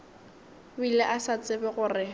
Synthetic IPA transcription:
bilɛʔasat͡sʼɪbɛɣʊrɪ

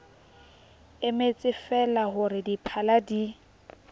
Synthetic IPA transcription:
ɪmet͡sʼɪfɛlaɦʊɾɪdipʰaladi

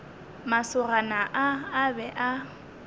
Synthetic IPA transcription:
masʊranaʔaːbɛʔa

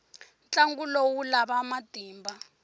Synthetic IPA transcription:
nt͡ɬaŋɡulowulaβamad̥ʱiːmba

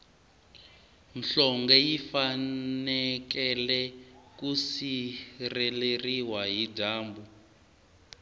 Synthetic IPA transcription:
nɬɔŋɡɛjifanɛkɛlɛkusirɛleriwaɦidaːmbu

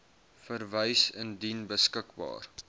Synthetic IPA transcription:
fərvəjsəndinbəskəkbɑ̰ːr

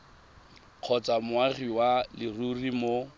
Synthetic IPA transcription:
q͡χʰɔt͡samʊaɣiwalɪrurimo

